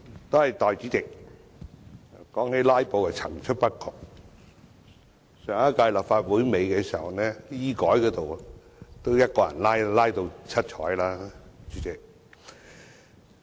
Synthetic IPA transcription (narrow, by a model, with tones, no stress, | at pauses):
t̪o˥whɐ˨jt̪ɔː˨jiː˨˥t͡sɪ˨k̚ | kɔː˨˥ŋhe˨˥jlaː˥jpo˨˧wkɛ˨t͡sʰɐ̰˨˩ŋt͡ʃʰɵ˥t̚pɐ˥t̚kʰɔ˨˧k̚ | sœː˨˩ŋa˦˥kaː˧jlɐ˨˩p̚faː˧t̚wuː˨˥jme˨˧jkɛː˧siː˨˩hɐ̰˨˩wnɛː˥jiː˥kɔː˨˥jkɔː˧˥t̪o˨w | t̪o˥wjɐ˥t̚kɔː˧jɐ̰˨˩nlaː˥jlaː˥jt̪o˧wt͡sʰɐ˥t̚t͡ʃʰɔ̰ː˨˥jlaː˥t͡ʃy˨˥t͡sɪ˨k̚